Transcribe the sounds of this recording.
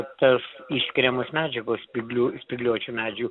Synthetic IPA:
t̪ɐsɪʃʲsʲkʲɪɾʲɛmoːsmʲæːd͡ʒʲɛɡoːspʲɪɡlʲuːsʲpʲɪɡlʲuɔt͡ʃʲumʲæːd͡ʒʲɛuː

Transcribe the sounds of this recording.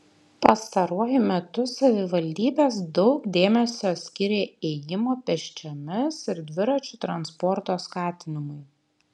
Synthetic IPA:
pɐst̪ɐɾuɔjʊmʲɛt̪ʊsɐʋʲɪʋɐlʲd̪ʲiːbʲeːsd̪ɔʊkd̪ʲeːmʲɛsʲoːt̪sʲkʲɪɾʲeːɛjɪmoːpʲɛʃʲt͡ʃʲomʲɪsɪɾd̪ʲʋʲɪɾɐt͡ʃʲʊt̪ɾɐnspɔɾt̪oːskɑːt̪ʲɪnʲɪmʊɪ

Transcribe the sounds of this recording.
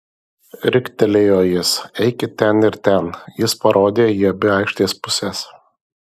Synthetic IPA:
ɾʲɪkʲt̪ʲɛlʲejoːjɪsɛɪkʲɪt̪ʲɛnɪɾt̪ʲɛnjɪspɐɾʔoːd̪ʲeːjiɐbʲɪɑˑɪkʃʲt̪ʲeːspʊsʲɛs

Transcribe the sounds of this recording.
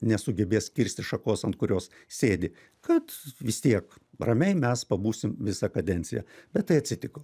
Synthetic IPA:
nʲɛsʊɡʲɛbʲeːskʲɪɾʲsʲt̪ʲɪʃɐkoːsɐnt̪̚kʊɾʲoːs | sʲeːd̪ʲɪ | kɐt̪ʋʲɪst̪ʲiɛkrɐmʲɛɪmʲɛspɐbuːsʲɪmʋʲɪsɐkɐd̪ʲɛnʲt̪sʲɪjɛ̰b̥ʲɛt̪̚tɐɪɐt̪ʲsʲɪt̪ʲɪko

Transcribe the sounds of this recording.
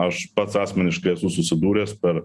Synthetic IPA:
ɐʃpɐt̪sɑːsʲmʲɛnʲɪʃklʲeɛsuːsʊsʲɪd̪uːɾʲeːspʲɛɾ

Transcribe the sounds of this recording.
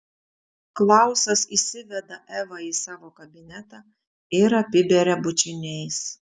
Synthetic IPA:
klˠɑˑʊsɐsisʲɪʋʲɛd̪ɐʔɛʋɐiːsɑːʋoːkɐbʲɪnʲɛt̪ɑ | ɪɾɐpʲɪbʲɛɾʲɛbʊt͡ʃʲɪnʲɛɪs

